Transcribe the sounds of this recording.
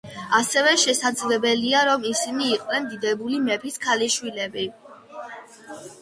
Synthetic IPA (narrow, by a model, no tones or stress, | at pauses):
asɛvɛʃɛsad̪zlɛbɛliaɾɔmisiniːqʼwnɛnd̪id̪ɛbulimɛpʰiskʰaliʃwilɛbi